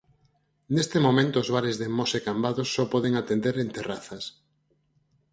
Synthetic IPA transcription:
nest̪emomẽnt̪oːzβ̞aɾezðemɔsekambaðʊsːɔpɔðeŋat̪end̪eɾent̪eraθɐs

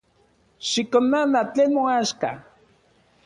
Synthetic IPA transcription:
ʃɪkonanat͡ɬenmoaʃka̰

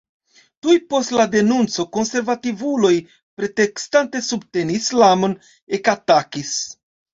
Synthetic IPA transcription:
tujpo̞stlade̞nunt͡so̞ko̞nse̞ɾvativulo̞j | pɾe̞te̞kstante̞subte̞nislamo̞n | e̞katakis

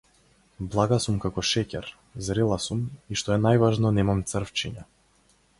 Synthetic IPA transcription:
blˠaɡasumkakɔʃɛcɛɾ | zɾɛlˠasumiʃt̪ɔɛnajvaʒnɔnɛmamt̪sər̩ft͡ʃiɲa

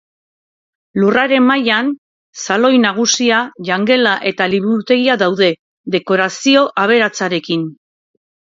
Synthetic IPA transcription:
luraɾe̞mmajan | salo̞jnaɣ̞usiaʎaŋɡe̞laʔe̞t̪aliβ̞uɾut̪e̞ɣiaðawðe̞ | ðe̞ko̞ɾasio̞ʔaβ̞e̞ɾat͡saɾe̞kin

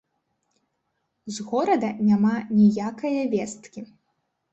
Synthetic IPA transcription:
zɣɔɾɐd̪ɐnʲamanʲijakɐjɐvʲɛst̪kʲi

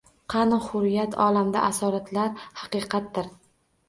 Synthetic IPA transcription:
qʰɑnhʊɾjat̪ʰɒlamd̪a̰ʔasɒɾat̪laɾhɑqɨqʰɑt̪d̪ɪɾ

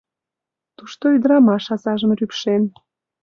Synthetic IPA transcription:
t̪uʃt̪oyd̪əɾɑmɑʃɑzɑʒəmrypʃen

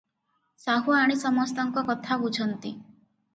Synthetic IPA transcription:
saɦuaɽ̃isɔmɔst̪ɔŋkɔkɔt̪ʰabud͡ʒʰʱɔnt̪i

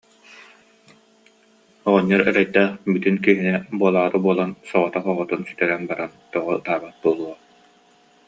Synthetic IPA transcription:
ɔʁɔɲːɔɾɛɾɛjt̪æːχbyt̪ynkiɦinɛbuɔlˠaːɾɯbuɔlˠansɔʁɔt̪aχɔʁɔt̪unsy̥t̪ɛɾɛnbaɾant̪ɔʁɔɯt̪aːbat̪̚buɔlˠuɔ

